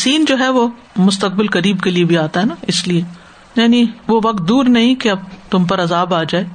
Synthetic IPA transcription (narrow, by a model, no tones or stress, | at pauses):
siːnd͡ʒoːɦɛʋoː | mʊst̪ək̚bɪlkɐɾiːbkeliebʱiaːt̪aɦɛnaɪslie | jaːniʋoʋɐk̚t̪̚d̪uːɾnɐɦĩkeɐb̚t̪ʊmpɐɾɐzaːbaːd͡ʒaːeː